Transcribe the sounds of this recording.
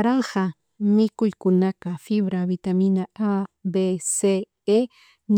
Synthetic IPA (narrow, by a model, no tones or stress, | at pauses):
ɾɑɴɢɑ | mɪkʊjkʊnakafɪβɾaβɪt̪amɪnaabese | e | n